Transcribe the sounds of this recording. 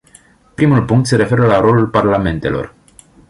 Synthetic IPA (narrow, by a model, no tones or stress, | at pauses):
pɾimulpuŋk̚t̪se̞ɾe̞fe̞ɾəlaɾo̞lulparlame̞nt̪e̞̰lo̞̰r